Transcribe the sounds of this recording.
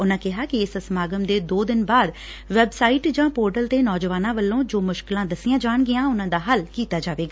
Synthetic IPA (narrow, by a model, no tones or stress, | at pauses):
ʊnãːkɪɦaːkɪɪsəsəmaːɡəmd̪eːd̪oːd̪ɪnbaːd̪ | ʋɛbsaːiːʈd͡ʒãːpoːɾʈəlt̪eːnɔːd͡ʒəʋaːnãːʋəlːõːd͡ʒoːmʊʃkɪlãːd̪əsɪjãːd͡ʒaːɳɡɪãːʊnãːd̪aːɦəlkiːt̪aːd͡ʒaːʋeːɡaː